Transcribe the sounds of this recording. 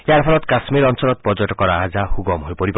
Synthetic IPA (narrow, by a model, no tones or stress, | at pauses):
eaɾpʰɔlɔt̪kasmeɾɔnsɔlɔt̪̚pɔd͡ʒɔʈɔkɔɾaɦad͡ʒahuɡɔmɦojpɔɾip